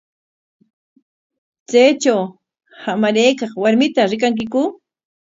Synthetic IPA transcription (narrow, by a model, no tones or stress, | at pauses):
t͡sajt͡ʃaw | hamaɾejkɑχwaɾmɪt̪aɾɪk̬aŋk̬ɪkʊ